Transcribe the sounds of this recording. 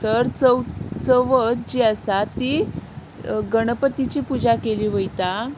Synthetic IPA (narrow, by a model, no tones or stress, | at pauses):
t̪əɾt͡səwt͡səʋət̪d͡ʑiəsat̪i | ɡəɽ̃əpət̪it͡ɕiːpud͡ʑakeliːʋəjt̪a